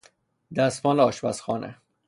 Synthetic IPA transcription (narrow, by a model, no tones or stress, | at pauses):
d̪æsmɒːlɛɒːʃbæ̰sxɒːnʔḛ